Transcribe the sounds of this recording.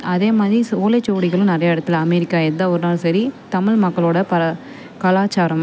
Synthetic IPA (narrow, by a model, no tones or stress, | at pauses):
ɐðeːmaːðɾisoːlɐt͡ʃːoːʋɽɪɣɐɭɯ̃nɪɾɐjɐɪɽɐt̪ːɪlɐmɛɾɪkːaːɛnd̪aːɔɾɯnaːlsɐɾit̪ɐmɪɭmɐkːɐɭoːɽɐpɐɾɐ | kɐlaːt͡ʃːaːɾɐm